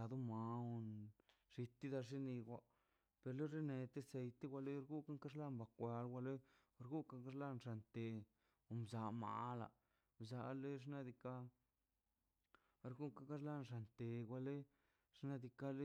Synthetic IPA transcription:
a˨d̪u˦ma˨˧o˧nʐ̥i˧t̪i˦d̪a˧ʐi˦ni˧ɡʷa˧ | pe˨ɾlo˦ɾe˦ne˧t̪e˦se˧jt̪i˦ɡʷa˧le˦ɾɡu˦ka˦ŋka˦ʐla˦mba˨kʷa˧lɡʷa˧le˦˧ | ɾɡu˦ka˦ŋka˦ʐla˦nʐa˨nt̪e˧ | o˨mza˧ma̰˧˨la̰˨ | mza˨˧le˦ʐna˦d̪i˧ka˦˧ | ɾɡu˦ka˦ka˦ɾla˦nʐa˨nt̪e˨ɡʷa˧le˦ | ʂna˦d̪i˧ka˦le˦

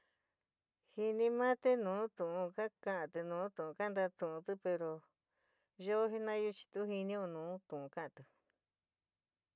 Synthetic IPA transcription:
hi˧nĩ˧mã˦t̪e˧nũː˨˦t̪ũ˨ʔũ˧ka˦kã˧˦ʔã˧t̪ɨ˧nũː˨˦t̪ũ˨ũ˧ka˦˧nd̪a˧t̪ũ˨ũ˧t̪ɨ˦pe˧ɾo˧ | jo˦ɦi˦nã˦ju˦t͡ʃi̥˧t̪u˦ɦi˧nĩ˦o˧nũː˨˦t̪ũ˨ũ˧kã˦ʔã˧t̪ɨ˧

